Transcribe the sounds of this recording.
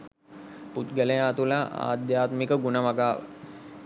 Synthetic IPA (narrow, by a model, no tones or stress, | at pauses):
put̪ɡələjaːt̪ulaʔa̰ːd̪jaːt̪mikəɡunəʋaɡaːʋə̰